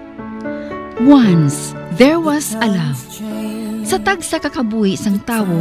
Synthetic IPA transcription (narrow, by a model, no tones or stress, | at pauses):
wansðɛɹwɐsɐlam | sɐt̪aɡsakɐkɐbuːhɪsɐŋt̪aːwo